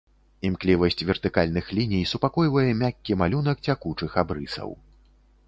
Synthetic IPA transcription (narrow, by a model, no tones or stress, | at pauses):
imklʲivɐsʲt͡sʲvʲɛrt̪ɨkalʲnɨxlʲinʲijsupakɔjvɐjɛmʲakʲːimalʲun̪ɐk̚t͡sʲakut͡ʂɨxabɾɨsɐ̰w